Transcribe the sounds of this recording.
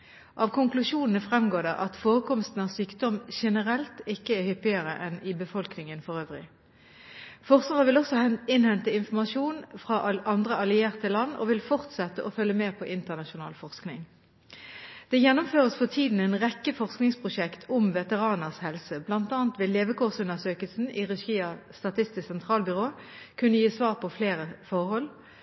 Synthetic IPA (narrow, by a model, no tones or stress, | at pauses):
ʔɑːʋkʰʊŋklʉʂuːnənəfʁɛmɡoːd̪ɛʔɑt̪foːʁəkʰɔmst̪n̩ɑsyːkd̪ɔmʃɛnəʁɛlt̪ɪkːəæhʏpːɪəʁəʔɛnɪbəfɔlknɪŋənfɔʁøːʋʁɪ̰ | fɔʁsəʁəʋɪlɔsɔɪnhɛnt̪əɪnfɔʁmɑʃuːnfʁɑʔʔɑnd̪ʁəɑlɪeːʁt̪əlɑnːɔ̰ːʋɪlfɔʁt̪sɛt̪ːəʔɔfœlːəmeːpʰɔʔɪnt̪əʁnɑʃʊnɑ̰ːlfɔʁsknɪ̰ŋ | d̪̥ɛjɛnːʊmføːʁəsfɔʁt̪ʰiːd̪n̩ɛnʁɛkːəfɔʁsknɪŋspʰʁʊʃɛkt̪ʰʊmʋɛt̪əʁɑːnəʁshɛlsəblɑnt̪ɑːənt̪ʋɪleːʋəkʊʁsʉnəʁsøːkəlsn̩iʁɛʃiːɑst̪ɑt̪ʰɪst̪ɪssɛnt̪ʰʁɑːlbʏʁoːkʰʉnːəjiːsʋɑːʁpʰɔfleːʁəfɔʁhɔl